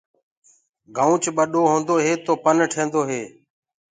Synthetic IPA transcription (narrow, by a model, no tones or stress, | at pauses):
ɡʱaːũːt͡ʃɓəɗoːɦõːnd̪oːɦeːt̪oːpənʈʰẽːnd̪oːɦeː